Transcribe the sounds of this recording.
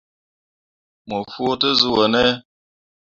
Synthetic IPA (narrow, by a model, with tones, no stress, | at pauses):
mo˨fo˦tə˦zu˦wə˨nɛ˦